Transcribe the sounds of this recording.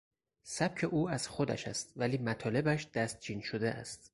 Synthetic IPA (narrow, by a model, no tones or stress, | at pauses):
sæb̥̚cʰe̞ʔuːæz̥xod̪æ̰ʃæ̰st̪væliːmæt̪ʰɒːle̞bæʃd̪̥æst̪̚d͡ʒiːnʃod̪eʔæ̰st̪̚